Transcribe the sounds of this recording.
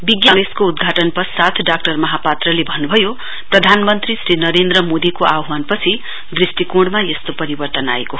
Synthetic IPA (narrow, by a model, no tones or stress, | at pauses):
biɡjaŋeskoud̪ɡʱaʈʌnpʌsat̪ʰɖak̚ʈʌrmʌɦapat̪rʌlebʱʌnːubʱʌjo | prʌd̪ʱanmʌnt̪risɾinʌɾend̪rʌmod̪ikoʔabmanpʌt͡sʰi | d̪risʈikuɽmajest̪opʌɾibʌrt̪ʌna̰eko